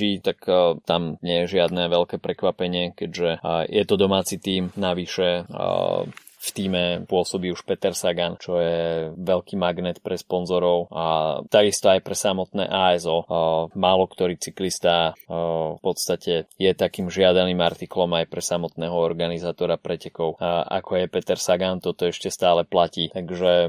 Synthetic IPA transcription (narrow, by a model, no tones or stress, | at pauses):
it̪akt̪amɲɪɛjɛʒɪad̪nɛʋɛlkɛːpɾɛkʋapɛɲɪɛkɛɟʒɛjʔɛt̪ɔd̪ɔmaːt͡sit̪iːmnaʋiʃɛ | ft̪iːmɛpʊɔsɔbiːuʃpɛt̪ɛɾsaɡant͡ʃɔjɛʋɛlkiːmaɡnɛt̪pɾɛspɔnzɔɾɔʊat̪aɡist̪ɔajpɾɛsamɔt̪nɛ̰ːʔaːɛzɔmaːlɔkt̪ɔɾiːt͡siklist̪a | fpɔt̪st̪acɛjɛt̪akiːmʒɪad̪aniːmaɾt̪iklɔmajpɾɛsamɔt̪nɛːɦɔɔɾɡanizaːt̪ɔɾapɾɛcɛkɔʊʔa̰kʰɔjɛpɛt̪ɛɾsaɡant̪ɔt̪ɔɛʃcɛst̪aːlɛplaciːt̪aɡʒɛ